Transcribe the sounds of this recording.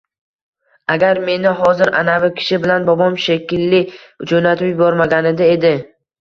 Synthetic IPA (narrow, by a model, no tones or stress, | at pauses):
aɡʲaɾme̞nɪɦɒzɪɾʔanavɪkʲʰɪ̥ʃɪbɪlanbɒbɒmʃekʲɪlːɪ | d͡ʒonat̪ʰʊpjʊbɒɾmaɡʲanɪd̪ae̞d̪ɪ